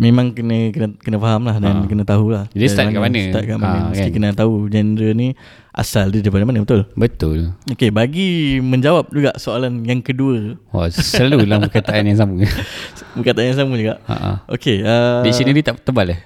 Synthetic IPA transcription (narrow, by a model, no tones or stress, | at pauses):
memãŋkənəkənəkənəfaɦamlahdankənət̪aɦulahd͡ʒadist̪atakaʔmanəst̪at̪̚kaʔmaəmuskikənət̪aɦud͡ʒɛndɾəni | ʔa̰saldidipadamanəbət̪ʊlbət̪ʊlokebaɡiməɲd͡ʒawap̚d͡ʒuɡaʔsoalanjaŋkəduəwa̰səlalulahbəkat̪aʔanjaŋs̬amu | bəkat̪aʔanjaŋs̬amud͡ʒuɡaʔə̰ʔa̰ʔo̰keədisinidit̪aʔt̪əbalah